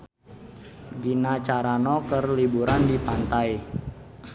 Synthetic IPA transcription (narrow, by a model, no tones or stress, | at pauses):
ɡinat͡ʃaɾanɔkərlibuɾandipant̪aj